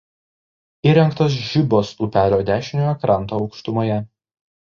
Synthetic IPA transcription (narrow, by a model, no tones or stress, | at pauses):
iɾʲɛŋkt̪oːs̬ʒʲɪboːsuːpʲæːlʲoːd̪ʲæːʃʲɪnʲojɔkɾɑˑnt̪oːɒʊkʃt̪ʊmoːjɛ